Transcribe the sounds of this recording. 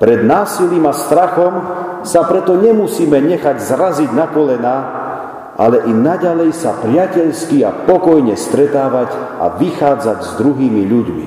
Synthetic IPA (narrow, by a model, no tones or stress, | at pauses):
pɾɛd̪naːsiliːmast̪ɾaxɔm | sapɾɛt̪ɔɲɛmusiːmɛɲɛxaɟzɾaziɟnakɔlɛnaː | ʔa̰lɛʔinaɟalɛjsa̰pɾɪacɛʎskiapɔkɔjɲɛst̪ɾɛt̪aːʋaɟ | a̰ʋixaːd͡zaɟzd̪ɾuɦiːmiʎuɟmḭ